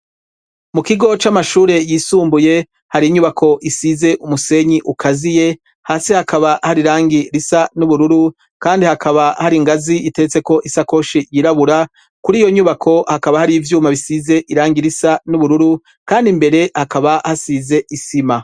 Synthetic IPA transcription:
mukiɡo̞t͡ʃamaʃuːɾe̞jiːsuːmbuje̞ | haɾiɲuβakʰo̞ʔisize̞ʔumuse̞ɲiʔukʰazije̞ | haːsihakaβahaɾiɾaːŋɡiɾisanuβuɾuɾu | kaːndihakʰaβahaɾiŋɡaziʔite̞t͡se̞ko̞ʔisako̞ʃijiɾaβuɾa | kuɾiːjo̞ɲuβakʰo̞hakaβahaɾiːvjuːmaβisize̞ʔiɾaːŋɡiɾisanuβuɾuɾu | kaːndimbe̞ɾe̞hakaβahasize̞ʔisima

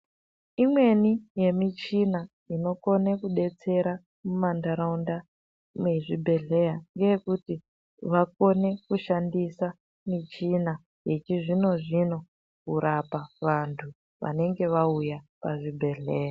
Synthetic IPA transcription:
imwe̞nije̞mit͡ʃina | ino̞ko̞nekuɗe̞t͡se̞ɾa | mumandaɾaunda | mweʐibʱe̞ɮe̞jaŋɡejekuti | ʋako̞ne̞kuʃandisa | mit͡ʃina | jet͡ʃiʐino̞ʐino̞ | kuɾapaʋantʰu | ʋa̰ne̞ŋɡe̞ʋaujapaʐibʱe̞ɮe̞ːja

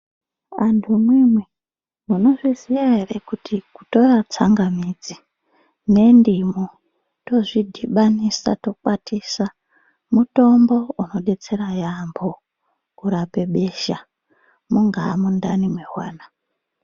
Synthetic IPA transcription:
antʰumwimwe | muno̞ʐiziʋaɦe̞re̞kutʰikuto̞rat͡saŋɡamid͡zi | ne̞ndimo | to̞ʐidʱiɓanisa̰to̞kwatisa | muto̞mbo̞uno̞ɗe̞t͡se̞ɾajambo | kuɾape̞ɓe̞ʃa | muŋɡamundanimweɦwaːna

